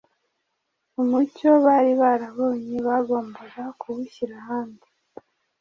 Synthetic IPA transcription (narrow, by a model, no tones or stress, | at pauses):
umuco̞βaɾiβaɾaβo̞ːɲiβaɡo̞ːmboɾakʰuβuçiɾahaːndi